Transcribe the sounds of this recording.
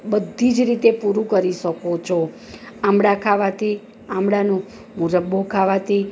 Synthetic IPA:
bəd̪ʱːid͡ʒɾit̪epuɾũkəɾiʃəkot͡ʃʰo | amɽakʰaʋat̪ʰi | amɽanũ | muɾəbːokʰaʋat̪ʰi

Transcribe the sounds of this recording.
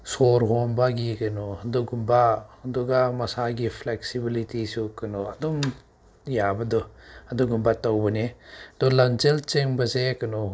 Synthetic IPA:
soɾɦombaɡikɐnɔɐduɡumbaɐduɡamɐsaɡipʰleksibilitisukɐnɔɐdɔm | jabɐdɔɐduɡumbatawbɐnedɔlamt͡ʃelt͡ʃeŋbɐzekɐnɔ

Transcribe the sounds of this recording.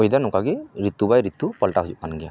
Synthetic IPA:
ɔjd̪anɔkaɡiɾit̪ːubajɾit̪ːupɔlʈaɦud͡ʒuʔ̚manɡija

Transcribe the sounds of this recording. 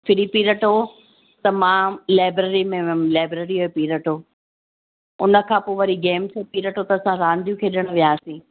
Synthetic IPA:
fʰɪɾipiːɾəʈo | t̪ɐmãːlaːɪbɾəɾimẽlaːbɾəɾioepiːɾəʈoː | ʊ̰nə̆kʰãːpoːʋɐɾiɡeːmsepiːɾəʈot̪ɐːsãɾãːnd̪ʱijũkʰeːɗəɽ̃ʊʋɪjaːsĩː

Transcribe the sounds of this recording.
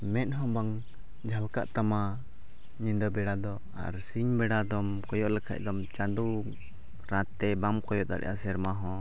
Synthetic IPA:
mɛt̪̚ˀɦɔ̃baŋ | d͡ʒʱalka̰ʔt̪ama | ɲind̪ɔbɛɽad̪ɔ | a̰ɾsiɲbɛɽad̪ɔmkɔjɔʔlɛkʰa̰ʔ̚ˀd̪ɔmt͡ʃad̪u | ɾãt̪ɛbamkɔjɔʔt̪a̰ɾɛ̰jʔa̰sɛɾmaɦɔ̃

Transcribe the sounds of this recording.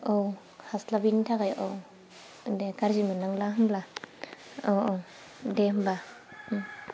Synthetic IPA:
ʔow | haslabintʰakajʔow | dɛkaɾzimɯnaŋlaɦmla | owow | dɛɦmba

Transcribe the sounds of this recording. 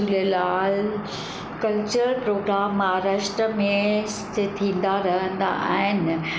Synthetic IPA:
uləlaːl | kɐlt͡ɕəɾpɾoːɡɾaːmːɦaɾaːʃʈɾəmẽst̪et̪ʰĩːnd̪aɾɐɦə̃nd̪a̰ʔa̰ːɦɪn

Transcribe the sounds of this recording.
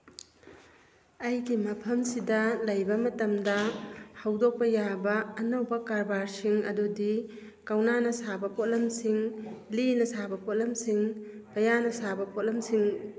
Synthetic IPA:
ɐjɡimɐpʰɐmsidɐlɐjbɐmɐtɐmdɐhɐwdok̚pɐjabɐːnɐwbɐkaɾbaɾsiŋɐdudi | kɐwnanɐsabɐpot̚lɐmsiŋlinɐsabɐpot̚lɐmsiŋpɐjanɐsabɐpʰot̚lɐmsiŋ

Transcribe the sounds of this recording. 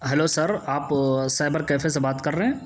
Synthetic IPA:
ɦɛloːsɐɾaːpsaːɪbəɾkɛːfʰes̬ebaːt̪kɐɾːɐɦɛ̃ː

